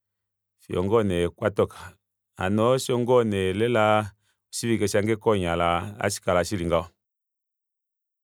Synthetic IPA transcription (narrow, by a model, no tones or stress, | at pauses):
ʃiɔ̰ŋɡɔnɛkwatɔkʰḁ | a̰nɔʃiɔŋɡɔnɛlɛla | ɔʃivikeʃaŋɡekɔɲalaa̰ʃi̥kalaʃiliŋɡaɔ